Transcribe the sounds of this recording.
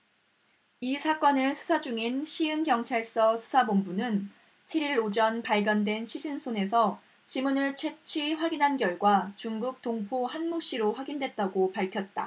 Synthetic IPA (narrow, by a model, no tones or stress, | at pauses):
isʰak͈ʌnɯɭsʰu̥sʰad͡ʑuŋinɕʰiɯnɡjʌŋt͡ɕʰaɭs͈ʌsʰu̥sʰamombunɯn | t͡ɕʰiɾiɾod͡ʑʌnpaɭɡjʌndwe̞nɕʰiɕʰinsʰone̞sʰʌ | t͡ɕimunɯɭt͡ɕʰwe̞t͡ɕʰiɸwaɡinɦanɡjʌɭɡwat͡ɕuŋɡuk̚t͈oŋpʰohanmoɕ͈iɾoɸwaɡindwe̞t̚t͈aɡopaɭkʰjʌt̚t͈a̰